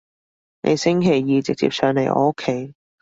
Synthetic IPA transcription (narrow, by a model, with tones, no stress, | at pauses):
nʔḛ˨˧jsɪ˥ŋkʰe˨˩jːiː˨˧t͡sɪ˨k̚t͡sḭ˨p̚sœː˨˧ŋle˨˩jʔɔ̰ɔ̰˧˥kʰːe˨˥j